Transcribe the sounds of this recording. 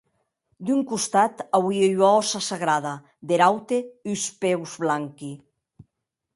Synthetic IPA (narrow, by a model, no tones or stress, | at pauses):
d̪yŋkust̪at̪awieʎaɔsasaɣɾaða | d̪eɾawt̪eyuspewzβlaŋki